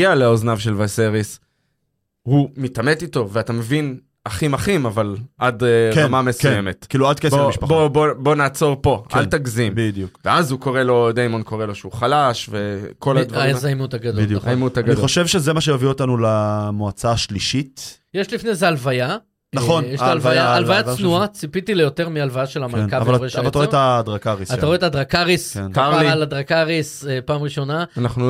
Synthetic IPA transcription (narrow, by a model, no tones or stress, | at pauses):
aleoznavʃe̞lvaseʁis | humitame̞tito̞veatame̞vin | aχimaχimavalʔadkamamesujemetkiːluad̪kesbomiʃpabobo̞bo̞naːt͡so̞ʁpo̞ʔa̰ltaɡzimbidjukveazuko̞ʁelo̞d̪ejmonkʰo̞ʁelo̞ʃeuχalaʃve̞ko̞lad̪vaʁzajmut̪aɡadoldjuχzajmut̪aɡaniχoʃevʃezemaʃ̬eoviotanulamoat͡saːʃliʃitjeʃlifnezealvaja | naχonjeʃaalvajaːlvajat͡snnuat͡sipitilejo̞teʁmialvajaʃelamalnkavvaleʃaalat̪aʁoet̪ad̪ʁakaʁisattaʁoetad̪ʁakaʁiskenkaʁlilad̪ʁakaʁisepaːmʁiʃo̞naanaχnu